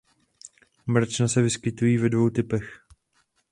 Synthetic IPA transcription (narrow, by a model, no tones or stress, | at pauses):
mɾ̩t͡ʃnasɛvɪskɪt̪ujiːvɛdvo̞wt̪ɪpɛx